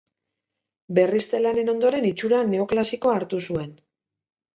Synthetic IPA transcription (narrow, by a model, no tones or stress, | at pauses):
be̞rist̪elane̞no̞nd̪o̞ɾe̞nit͡ʃuɾane̞o̞klasikoaɾt̪usue̞n